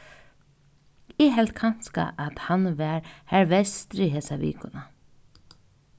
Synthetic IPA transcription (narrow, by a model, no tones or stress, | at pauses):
ɪɦɛlt̪kʰan̥ska̰ʔat̪hanʋɛɾhæɹʋɛst̪ɾiɦeːsaʋḭːkʊna